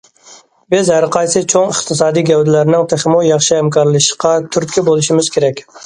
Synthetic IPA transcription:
bɪzæɾqʰɑjsɨt͡ʃʰoŋəχt̪ʰɨsɑːd̪ijɡʲɛwd̪ɪlæɾnɪŋt̪ʰeχmujɑχʃɪhæmkʰɑɾlˠɨʃqʰɑt̪ʰyɾt̪̚kʲɛbolˠɨʃɪmɪz̥kʲʰeɾɛkʲ

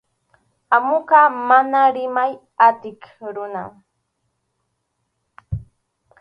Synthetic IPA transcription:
amʊqɑmanaɾɪmaj | at̪ɪkɾʊna̰

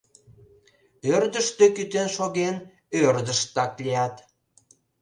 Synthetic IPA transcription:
ørd̪əʃt̪økyt̪enʃoɣen | ørd̪əʃt̪ɑklʲijɑt̪

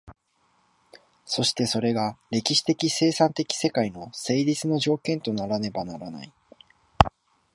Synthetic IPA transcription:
so̞ɕi̥t̪e̞so̞ɾe̞ɡaɾe̞kʲiɕi̥t̪e̞kʲise̞ːsãnt̪e̞kʲi̥se̞kaino̞se̞ːɾʲit͡sɨno̞ʑo̞ːkẽnt̪o̞naɾane̞banaɾana̰i

